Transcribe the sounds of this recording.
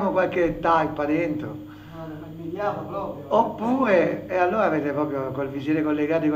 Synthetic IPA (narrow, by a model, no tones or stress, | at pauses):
mokwalkeːt̪ːaipːad̪ɛnt̪ɾo | at̪pɾɔopːuːɾeːalːoːɾaːveːt̪epɾɔːpɾjokolvisjeːɾekolːeɡaːt̪ik